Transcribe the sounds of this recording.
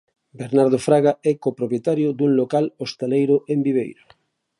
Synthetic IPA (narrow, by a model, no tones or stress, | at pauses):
beɾnaɾðofɾaɣaɛkopɾopjet̪aɾjʊd̪uŋlokalost̪elejɾʊʔembiβejɾo